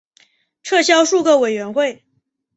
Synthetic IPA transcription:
ʈ͡ʂʰɤ˥˩ɕjɑ˥ʊʂu˥˧kə˥˩we˨˩ɪɥɛ˧˥nxwe˥˩ɪ

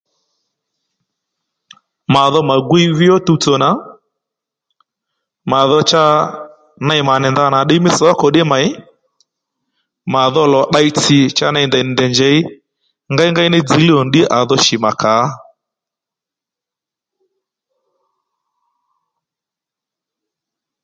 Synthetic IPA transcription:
ma˨ðɔ˦ma˨ɡwi˦vɪ˦ɔ˦tu˦tɔ˨na˨ | ma˨ðɔ˦t͡ʃa˦ | na˦˨i˨ma˨nɛ˨nda˦na˨ɗɪ˦mɪ˦sɔ˨˦a˦kɔ˨ɗɛ˦ma˨ɪ˦ | ma˨ðɔ˦lɔ˨ɗa˦i˦ti˨t͡ʃa˦na˦i˨ndɛ˨n˨ndɛ˨nd͡ʒɛ˨˦i˦ | ŋɡa˦i˦ŋɡa˦i˦nɪ˦d͡zi˨˦li˦ɔ˨ndɪ˦ʔa˨ðɔ˦ʃi˨ma˨ka˨˦

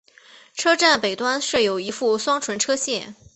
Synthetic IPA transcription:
ʈ͡ʂʰɤ˥ʈ͡ʂa˥˩npe˨˩ɪt̪wa˥nʂɤ˥˩jo˨˩ʊi˧˥fu˥˩swɑ˥ŋʈ͡ʂʰwə˧˥nʈ͡ʂʰɤ˥ɕjɛ˥˩

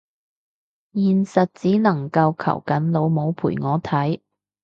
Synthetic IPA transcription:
jiː˨nsɐ˨t̚t͡siː˨˥nɐ˨˩ŋkɐ˧wkʰɐ̰˨˩wkɐ˨˥nlo˨˧wmo˨˧wpʰṵː˨˩jŋɔː˨˧t̪ʰɐ˨˥j

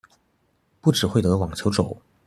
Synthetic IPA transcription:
pu˥˩ʈ͡ʂɻ̩˨˩xwe˥˩ɪt̪ɤ˧˥wɑ˨˩ŋt͡ɕʰjo˧˥ʊʈ͡ʂo˨˩˦ʊ

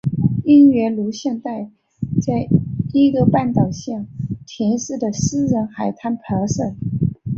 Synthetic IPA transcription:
i˥nɥɛ˧˥lu˧˥ɕjɛ˥˧nt̪a˥˧ɪ | t͡sa˥˩ɪi˥ɡə˧pa˥˩nt̪ɑ˨˩ʊɕjɑ˥˩t̪ʰi˧˥nʂɻ̩˥˩d̪ə˩sɹ̩˥ɻə˧˥nxa˨˩ɪt̪ʰa˥npʰa˧˥ʂə˥˩

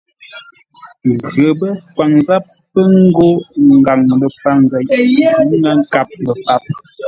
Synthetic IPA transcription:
ɣə˨bə˦kwa˨ŋza˦p̚ːə˦ŋ˦ɡo˦ŋ˨ɡa˨ŋlə˨pa˦ŋza˦˨˦ | na˦ŋ̩˦ka˦p̚lə˨pa˦p̚

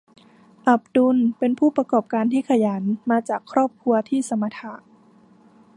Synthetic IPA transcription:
ʔa˨˩p̚du˧npe˧npʰuː˥˩pɾa˧kɔː˨˩p̚kaː˧nt̪ʰiː˥˩kʰa˧jaː˩˦nmaː˧t͡ɕaː˨˩kʰːɾɔː˥˩p̚kʰu˧ɐt̪ʰiː˥˩sa˨˧ma˧t̪ʰa˧˦ʔ

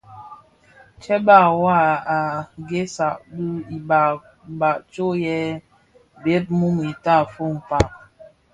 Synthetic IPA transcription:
t͡ʃɛ˦ba˦˨wa˦˨a˨ɡe˦sa˨ʔbi˦i˨ba˨ | ba˨ʔt͡ʃo˦jɛ˦ | be˦t̚mu˦mi˨ta˦˨fo˦m̩˨pa˦˨

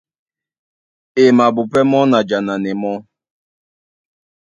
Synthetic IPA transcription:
ɪ˨ma˨bʊ˨pɛ˦mɔ˦na˨d͡ʒa˨na˨nɪ˨mɔ˦

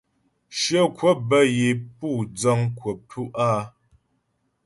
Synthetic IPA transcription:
ʃə˦˨kwə˦bə˦je˨pu˦˨d͡zɔ˦ŋkwə˨p̚tʰu˦ʔa˦˨

